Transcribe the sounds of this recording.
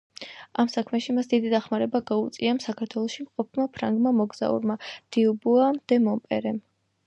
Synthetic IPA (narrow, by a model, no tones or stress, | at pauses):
amsakʰmɛʃimasd̪id̪id̪aχmaɾɛbaɡaut̪sʼiamsakʰaɾt̪ʰwɛlˠɔʃimqʼɔp̚ʰmapʰɾaŋɡmamɔɡz̥a̰ṵɾmad̪̥iubuamd̪̥ɛmɔmpʼɛɾɛm